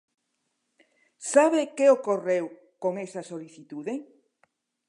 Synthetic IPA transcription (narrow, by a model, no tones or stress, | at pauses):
saβekeokorew | koŋesɐsoliθit̪uðe